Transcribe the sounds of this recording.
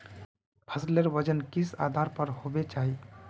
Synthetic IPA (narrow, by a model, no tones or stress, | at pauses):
pʰəsleɾbəd͡ʒənkisa̰d̪ʱaɾpəɾhobet͡ʃaɦi